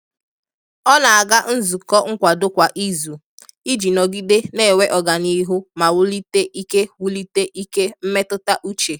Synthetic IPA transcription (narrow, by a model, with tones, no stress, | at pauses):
ɔ˦na˨a˨ɡa˦n̩˦zu˨kɔ˦ŋ̩˦kʷa˨dʊ˦kʷa˨ʔi˦zu˨ | i˦d͡ʒi˨nɔ˨ɡi˦de˦ne˦˨we˦ʔɔ˨ɡa˨ni˦ɦʊ˦ma˨wʊ˦li˦te˦ʔi˦ke˦wu˦li˦te˦ʔi˦ke˦m̩˦me˦tʊ˦ta˦ʔu˦t͡ʃe˨